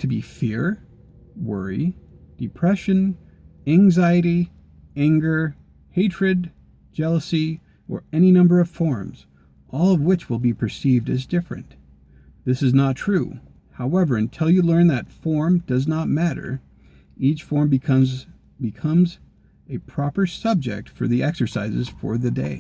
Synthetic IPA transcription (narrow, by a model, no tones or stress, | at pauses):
tʰɨbḭfɪɹ | wɜ̰˞ḭd̥ɨpʰɹ̥ɛʃɨ̃n | æ̃ŋzaɪɨɾi | æ̃ŋɡə˞ | heɪtɹ̥ɨd | d͡ʒɛlˠəsi | ʔə̰˞ɛninʌ̃mbə˞ʌv̥fɔɹmz̥ | ʔɔlˠʌvwɪt͡ʃwəlˠbipʰə˞sivdɨzdɪfɹɨ̰̃n | ðɪsɨznətʰɹ̥ṵ | haʊɛvə˞ɨ̃ntʰɪlˠjɨlɜ̃˞nðɨtfɔɹmd̥ʌznət̚mæɾə̰˞ | it͡ʃfɔɹm | bɨkʰʌ̃mz | ɨpʰɹ̥ɑpə˞sʌb̚d͡ʒɪ̰k̚tfə̰˞ðiʔɛksə˞sa̰ɪzɨ̰z̥fə̰˞ðɨdḛɪ